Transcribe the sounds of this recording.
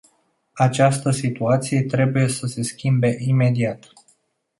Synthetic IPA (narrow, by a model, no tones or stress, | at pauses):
at͡ʃast̪əsit̪uat̪sije̞t̪ɾe̞buje̞səse̞skʲimbe̞ʔime̞d̪iat̪